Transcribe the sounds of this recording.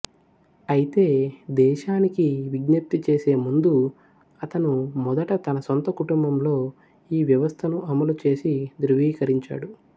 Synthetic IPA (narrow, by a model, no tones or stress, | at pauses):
ɐjit̪e̞ːd̪ɛːʃaːnikiʋiɡnɐp̚t̪it͡ʃe̞ːse̞ːmund̪u | ɐt̪ɐnumɔd̪ɐʈɐt̪ɐnɐsont̪ɐkuʈumbɐmlo̞ː | iːʋjɐʋɐst̪ʰɐnuɐmɐlut͡ʃe̞ːsid̪ɾuʋiːkɐɾiɲt͡ʃa̰ːɽu